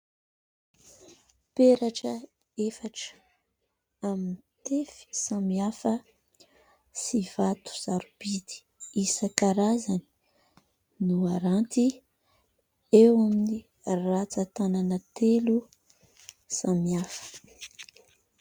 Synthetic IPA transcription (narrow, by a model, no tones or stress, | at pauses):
peɾaʈ͡ʂə | efaʈ͡ʂ | aminit̪efi̥samiafə | sivat̪u̥z̥aɾub̥id̪i̥ | isakaɾazani̥ | nuaɾant̪i | ewamini | rat͡sat̪ananət̪elu | samiafə̥